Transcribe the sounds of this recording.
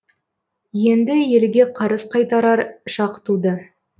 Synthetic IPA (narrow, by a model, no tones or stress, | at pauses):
je̞nd̪ɪje̞lɡʲe̞qʰɑɾəsqʰɑjt̪ɑɾɑɾʃɑqə̥t̪ud̪ə